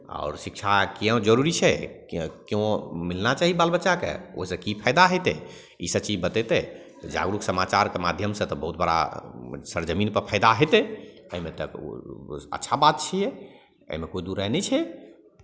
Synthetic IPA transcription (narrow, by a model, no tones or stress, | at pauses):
a̰ʊɾsikt͡ʃʰakeə̃d͡ʒəɾuɾit͡ʃʰɛ | kjõmilnat͡ʃaɦibalbətːʃakḛo̰ɦisə̃kipʰaɪd̪aɦet̪ɛ̰ | isət͡ʃid͡ʒbət̪et̪ɛ | t̪ɔd͡ʒa̰ɡɾuksəmat͡ʃaɾkemad̪ʱjəmsə̃t̪ɔbəɦut̪̚bəɽa̰səɾd͡ʒəminpəɾpʰaɪd̪aɦet̪ɛə̰ɦimet̪ə̰k | ə̰tːʃʰabat̪̚t͡ʃʰijɛ | ə̰ɦimekoid̪uɾɛɦnɛt͡ʃʰɛ